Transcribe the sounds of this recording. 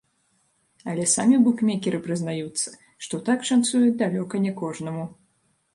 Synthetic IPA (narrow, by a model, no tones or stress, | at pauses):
ɐlʲɛsamʲibukmʲɛkʲɛɾɨpɾɨznajut̪sːɐ̥ | ʂt̪ɔt̪akʂant̪sujud̪alʲɔkɐnʲɛkɔʐnɐmu